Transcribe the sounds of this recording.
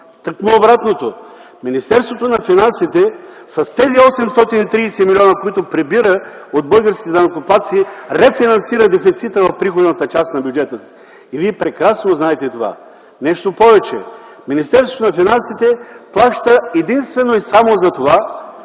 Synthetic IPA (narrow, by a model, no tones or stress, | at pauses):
t̪əknoobɾat̪not̪o | minist̪ɛɾst̪vot̪onɐfinansit̪ɛsɐst̪ɛziɔsɛmst̪ɔt̪init̪ɾiːsɛmilʲiɔnəkoit̪opɾɛbiɾəod̪̚bɤlˠɡəɾskʲit̪ɛd̪ɐnɐkopat̪siːɾɛfinɐnsiɾəd̪ɛfit̪sit̪əvɐfpɾixod̪nɐt̪ət͡ʃast̪nɐbʲjud͡ʒɛt̪əs | iviɛpɾɛkɾasnoznaɛt̪ɛt̪ova̰ | nɛʃt̪opɔvɛt͡ʃɛ̰ | minist̪ɛɾsvot̪onɐfinansit̪ɛplˠaʃt̪əɛd̪inst̪vɛnoisamozɐt̪ova